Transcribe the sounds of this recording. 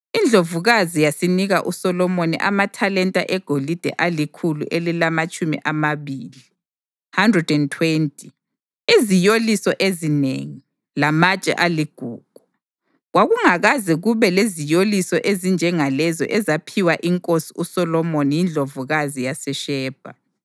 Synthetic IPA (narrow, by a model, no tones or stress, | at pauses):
ind͡ɮʱovuɣazijasiniɣaʔusɔlɔmonḭʔamatʰalɛntʼa̰ʔɛɡ̥ʱolid̥ʱɛ̰ʔalikʰulṵʔelilamat͡ʃʼumḭʔamaβiːli | handrɛdɛntʰwentʼʰi | izijolisɔʔezinḛŋi | lamat͡ʃʼɛ̰ʔaliɡ̥ʱuːɡ̥ʱu | ɣwaɣuŋaɣazɛɣuβɛlezijolisɔʔezind͡ʒʱɛŋalɛzɔ̰ʔɛzapʰiwaʔiŋkʼosiusɔlɔmonijind͡ɮʱovuɣazijasɛʃɛːb̥ʱa